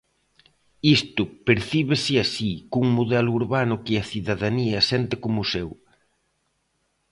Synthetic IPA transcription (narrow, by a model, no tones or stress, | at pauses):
ist̪ʊpeɾθiβesɪasikuŋmuðɛlʊuɾβanʊkɪɐθiðaðaniɐsɛnt̪ɪkomʊsew